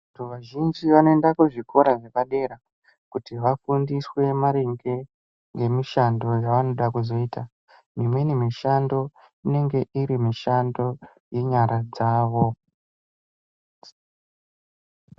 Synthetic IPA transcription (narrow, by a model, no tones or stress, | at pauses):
atʰuʋaʒind͡ʒiʋanoendakuʐikʰo̞ɾaʐekaɗe̞ɾa | kutiʋafundiswe̞maɾeŋɡe̞ | ŋɡe̞miʃando̞jaʋano̞ɗakuzo̞iːta | mimwenimiʃando̞ | ine̞ŋɡe̞ʔiɾimiʃando̞ | je̞ɲaɾad͡zaːʋo̞